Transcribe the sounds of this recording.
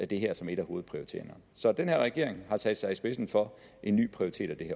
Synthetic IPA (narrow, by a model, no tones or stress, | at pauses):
æd̥e̝ɦeɐ̰sɒ̽me̝ɾ̥æho̝ːð̩ˠpʰʁioʁit͡sʰe̝̰ːɐnɐ | sɒ̽d̥enheɐ̰ʁɛɡ̥e̝ɐ̰e̝ŋhɑ̈sæd̥sɑ̈ɪisb̥e̝sn̩fɒ̽ | ʔe̝nːy̰ːpʰʁioʁit͡sʰe̝̰ːd̥æd̥e̝heɐ̰